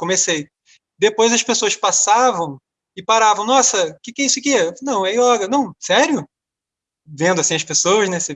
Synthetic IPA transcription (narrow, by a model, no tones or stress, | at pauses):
kõmesej | d̪epojzɐʃpesoɐspasavɐ̃w̃ | ɪpaɾavɐ̃w̃nɔsɐkɪkɛisʊkɪɛnɐ̃w̃ɛiɔɡɐnɐ̃w̃sɛɾjʊ | vẽnd̪ʊasĩɐʃpesowɐznesɪ